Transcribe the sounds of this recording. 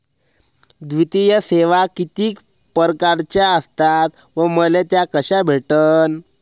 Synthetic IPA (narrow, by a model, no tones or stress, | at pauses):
d̪ʋit̪ijəseʋakit̪iːk | pəɾkaɾt͡ɕjaəst̪at̪ | ʋəməlet̪jakəɕabʱeʈən